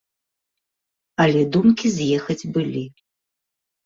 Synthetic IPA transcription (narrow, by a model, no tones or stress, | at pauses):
ɐlʲɛd̪umkʲizʲjɛxɐd͡zʲbɨlʲi